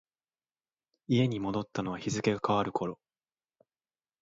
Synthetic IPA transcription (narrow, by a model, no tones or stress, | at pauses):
ie̞ɲ̟imo̞d̪o̞t̪ːano̞βaçizɨkʲe̞ɡakaβaɾɯ̟kʰo̞ɾo̞